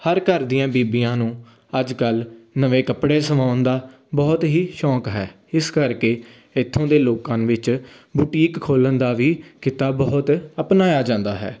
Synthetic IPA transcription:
həɾkəɾd̪iːãːbiːbijãːnũː | əd͡ʒkəlnəʋẽːkəpɽeːsəmaːʊnd̪aː | bɔːt̪ɦiːʃɔːkɦɛː | ɪskəɾkeː | ɪt̪ʰːõːd̪eːloːkãːnʋɪt͡ʃ | buːʈiːkkʰoːlənd̪aːʋiːkɪt̪aːbɔːʊt̪əpnaːjaːd͡ʒãːnd̪aːɦɛ̰ː

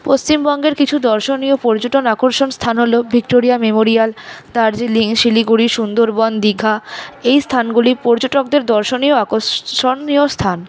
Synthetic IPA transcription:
post͡ɕimbɔŋɡeɾkit͡ɕʰud̪ɔɾʃoniopɔɾd͡ʑoʈonakoɾʃonst̪ʰanɦolobʱik̚ʈoɾiamemoɾialt̪aɾd͡ʑiliŋʃiliɡuɽiʃund̪oɾbɔnd̪iɡʱaejst̪ʰanɡulipɔɾd͡ʑoʈok̚d̪eɾd̪ɔɾʃonioakoʃonːiost̪ʰan

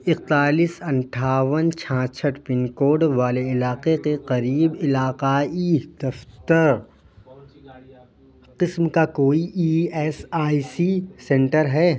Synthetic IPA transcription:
ɪq̚t̪aːliːsɐ̃ɳʈʰaːʋənt͡ʃʰãːt͡ʃʰəʈpɪnkoːɖʋaːleɪlaːqekeqɐɾiːbɪlaːqaːid̪ɐft̪əɾ | qɪsmkakoːiʔiːɛːsaːisisɛ̃ɳʈəɾɦɛː

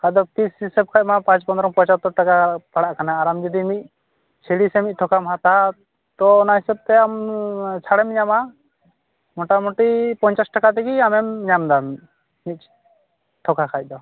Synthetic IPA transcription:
kʰad̪ɔk̚t̪isisɛb̚kʰac̚mapãt͡ʃpɔnd̪ɾɔŋpɔɲt͡ʃat̪ːɔɾʈakapaɽaʔkanaːɾamd͡ʒɔd̪imit̚ˀ | t͡ʃʰɛɽisɛmic̚ˀt̪ʰɔkamɦat̪a | t̪ɔːnaɦisɛb̚t̪ɛamt͡ʃʰaɽɛmɲama | mɔʈamɔʈipɔɲt͡ʃasʈakat̪ɛɡiamɛmɲamd̪am | mit̪̚ˀ | t̪ʰɔkakʰac̚d̪ɔ

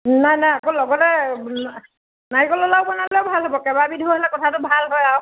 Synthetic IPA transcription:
najnajakolɔɡɔtɛ | najkɔlɔlaʊbɔnalɛʊbʱalɦɔbɔkɛbabidʱiɔɦɔlɛkɔtʰatʊbʱalɦɔjaw

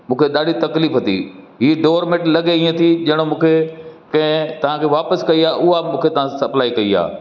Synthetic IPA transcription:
mũːkʰeɗ̪aːɖit̪ɐkliːfɦɐt̪ḭ | ɦiːɖoːɾmẽʈlɐɠeĩːẽt̪ʰiʄɐɦɪɽ̃omũːkʰekɐ̃ɦɪ̃t̪ɐʋ̤ãkʰeːʋaːpəskɐiaːʔʊɦamũːkʰet̪ɐʋ̤ãsɐplaːikɐia̰ː

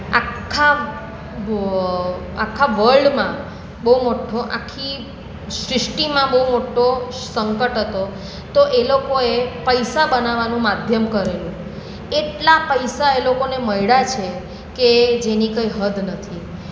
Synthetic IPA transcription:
a̰kkʰːa | akʰːaʋəɭɖmã | bəumoʈʰoʔa̰kʰːi | ʃɾɪʂʈimãbəɦumoʈosəŋkəʈɦət̪o | t̪oʔelokoepəjsabənaʋanũmad̪ʱjəmkəɾelũ | eʈlapəjsaelokoneməjɽat͡ʃʰe | ked͡ʒenikəiɦəd̪ʱnət̪ʰi

